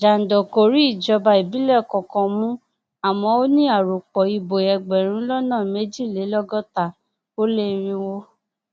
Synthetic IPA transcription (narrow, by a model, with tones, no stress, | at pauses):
d͡ʒa˨n̩˨dɔ˨ko˨ɾi˨˦i˦˨d͡ʒɔ˨˧ba˧i˨bi˦lɛ˦˨kɔ̃˨kɔ̃˨mũ˦ | a˨mɔ̃˧˦o˦nĩ˦a˦˨ɾo˨k͡pɔ˨i˧bo˨ɛ˨ɡ͡bɛ˨ɾ̃ũ˦lɔ˦nãː˦˨me˦d͡ʒi˦˨le˨˦lɔ˦ɡɔ˦ta˦˨ | o˦le˦˨˦ɾ̃ĩ˧wo˦